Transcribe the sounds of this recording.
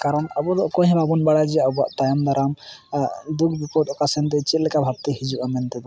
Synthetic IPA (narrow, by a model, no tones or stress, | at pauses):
kaɾɔnabɔd̪ɔʔkɔɦɛ̃bʱabunbaɽad͡ʒɛaba̰ʔt̪ajɔmd̪aɾʔam | d̪ukʰbipɔt̪ɔkasɛnt̪ɛt͡ʃɛt̪lɛkabʱab̚t̪ɛhid͡ʒuʔamɛnt̪ɛd̪ɔ